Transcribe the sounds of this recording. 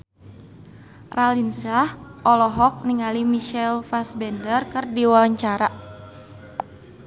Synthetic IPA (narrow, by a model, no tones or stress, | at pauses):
ralinsahʔɔlɔɦɔk̚niŋalimiʃɛlfasbɛndərkɨrdiwawaɲt͡ʃaɾa